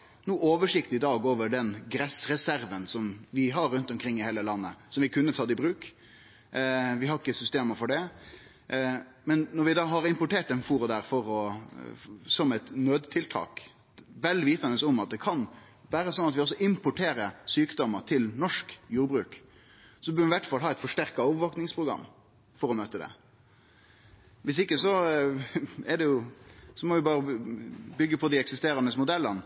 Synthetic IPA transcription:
nuːʔoːʋəʂɪkt̪ɪd̪ɑːɡoːʋəɖɛnɡɾɛsɾɛsæɾʋənsɔmʋɪɦɑɾːʉnt̪ɔmkʰɾɪŋːɪheːləlɑnːəsɔmʋɪkʰʉnːət̪ʰɑːd̪ɪbɾʉːk | ʋɪhɑɪkːəsʏst̪eːməfɔɖɛ | mɛnːɔɾʋɪd̪ɑːɦɑɾɪmpʊʈeːʈɛnfuːɾʊd̪æːɾfɔɾɔ | sɔmɛt̪nøːd̪t̪ʰɪlt̪ʰɑ̰ːk | ʋɛld̪ɪʋiːt̪ɑnəsɔmɑt̪̚d̪ɛkʰɑn | ʋæːɾəsɔnɑt̪ʋɪɔsːɔʔɪmpʊʈʰeːɾəsyːkd̪ɔmːəɾt̪ʰɪlnɔʂkjuːɾbɾʉːk | sɔbœːɾʋɪmɪʋæʈfɑlɦɑːɛɪt̪fɔʂʈæɾkɑɔːʋəɾʋɑːknɪŋspʰɾʊɡɾɑ̰mː | fɔɾɔmøːt̪əd̪ɛ̰ | ʋɪsɪkːəsɔ | ɛɖɛjʊsɔmɔʋɪbɑːɾəbʏɡːəpʰɔd̪ɪɛksɪst̪eːɾɑnəsmʊd̪ɛlːən

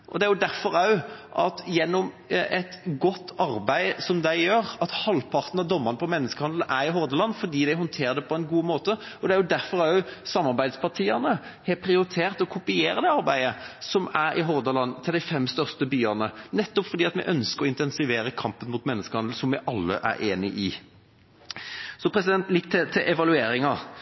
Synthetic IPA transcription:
ʔɔd̪ɛæɾjʊd̪æɾfɔɾɑʉʔɑt̪jɛnːɔm | ɛt̪ɡɔt̪ːɑɾbæɪsɔmd̪æɪjøːɾɑt̪hɑlpʰɑɾt̪n̩ɑd̪ɔmːɑnəpʰɔmɛnːəskəhɑnd̪l̩ʔæɾɪɦɔɾd̪əlɑnːfɔd̪iːd̪æɪɦɔnt̪ʰeːɾd̪ɛpʰɔɛnɡuːmoːt̪əɔd̪ɛæɾjʊd̪æɾfɔɾæjʊsɑmːɑɾbæɪd̪spʰɑʁʈʰiːɑnəhɛpʰɾɪʊɾɪt̪ʰeːʁt̪ɔkʰʊpɪeːɾəd̪ɛɑʁbæɪəsɔmæɾɪɦɔʁd̪əlɑnːt̪ʰɪld̪æɪfɛmst̪œʁst̪əbyːɑnənɛt̪ːɔpfɔɾd̪iːɑt̪mɛ̰ʔœnskəɾɔɪnt̪ɛnsɪʋeːɾəkʰɑmpənmuːt̪mɛnːəskəhɑnl̩sɔmʋɪʔɑlːə̰ʔæ̰ɾʔḛːnɪ̰ʔɪ | sɔpʰɾɛsɪd̪ɛnt̪lɪkːt̪ʰɛt̪ʰɪʔɛʋɑlʉeːɾɪŋɑ

